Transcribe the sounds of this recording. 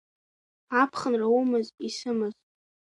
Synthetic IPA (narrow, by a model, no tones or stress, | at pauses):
apʰχənraumɨzisɨmɨz